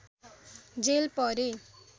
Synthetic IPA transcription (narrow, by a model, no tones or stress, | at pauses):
d͡zelpʌɾe